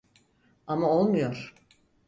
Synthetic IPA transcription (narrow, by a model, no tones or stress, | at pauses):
amao̞lˠmujoɾ̥